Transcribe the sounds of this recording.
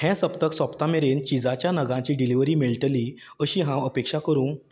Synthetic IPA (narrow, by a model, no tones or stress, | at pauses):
hɛ̃səpt̪əksəpt̪ameɾent͡ɕid͡zat͡ɕjanəɡãt͡ɕiːɖiliʋɾiːmiɭʈ̪əliː | əɕiːɦãəpekʂakəɾuːn